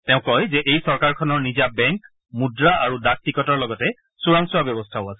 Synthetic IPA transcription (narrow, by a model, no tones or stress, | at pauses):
tɛʊ̃kɔjzɛʔejsɔɹkaɹkʰɔnɔɹnizabɛŋk | mudɹaaɹudak̚tikɔtɔɹlɔɡɔtɛ | suɹaŋsuabjɔbɔstʰaʊasɛ̥